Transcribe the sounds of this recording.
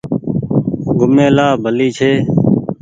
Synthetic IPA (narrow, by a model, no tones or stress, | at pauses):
ɡʱʊmẽːlaːbʱəliːt͡ʃʰeː